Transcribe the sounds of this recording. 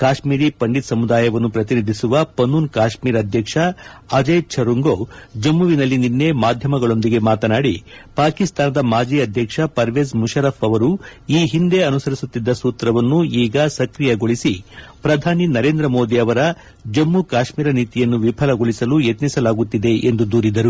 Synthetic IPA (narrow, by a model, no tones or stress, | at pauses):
kaːʃmiːɾipɐɳɖit̪sɐmud̪aːjɐʋɐnːupɾɐt̪̬inid̪ʱisuʋɐpɐnːuːnkaːʃmiːɾɐd̪ʱjɐkʂɐːd͡ʒɐjt͡ʃʰɐɾuŋɡod͡ʒɐmːuʋinɐlːininːemaːd̪ʱjɐmɐɡɐɭo̞nd̪iɡe̞maːt̪ɐnaːɽipaːkist̪aːnɐd̪ɐmaːd͡ʒiɐd̪ʱjɐkʂɐpɐɾʋeːzmuʃɐɾɐpɐʋɐɾuiːɦind̪e̞ɐnusɐɾisut̪ːid̪ːɐsuːt̪ɾɐʋɐnːuiːɡɐsɐkɾijɐɡoɭisipɾɐd̪ʱaːninɐɾe̞ːnd̪ɾɐmoːd̪iɐʋɐɾɐ | d͡ʒɐmːukaːʃmiːɾɐniːt̪ijɐnːuʋipʰɐlɐɡoɭisɐlujet̪nisɐlaːɡut̪ːid̪e̞end̪ud̪uːɾid̪ɐɾu